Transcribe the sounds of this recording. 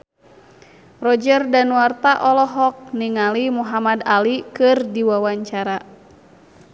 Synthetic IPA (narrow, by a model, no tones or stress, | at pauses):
rɔd͡ʒərdanuwart̪aʔɔlɔɦɔk̚niŋalimuɦamadalikɨrdiwawaɲt͡ʃaɾa